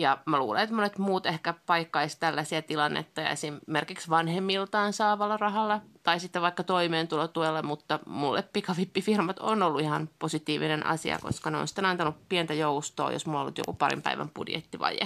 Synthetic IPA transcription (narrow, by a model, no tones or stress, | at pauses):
jɑmælṵːlḛet̪monet̪muːt̪ehkæpɑikːɑist̪ælːæsiæt̪ilɑnːḛt̪ːɑjɑ̰esimmːerkiksʋɑnhemːilt̪ɑːnsɑːʋɑlːɑrɑhɑlːɑt̪ɑisit̪ːeʋɑikːɑt̪oimeːnt̪ulot̪uelːɑmut̪ːɑmulːḛppikɑʋipːifirmɑt̪onolːuihɑnposit̪iːʋinenʔɑ̰siɑ̰ko̰skɑneo̰ːnsi̥t̪ːenɑnt̪ɑnuppient̪æjoust̪o̰ːjo̰smulːolːut̪jo̰kupɑrḭmpæ̰iʋæ̰mpṵdjḛt̪ːiʋɑ̰jḛ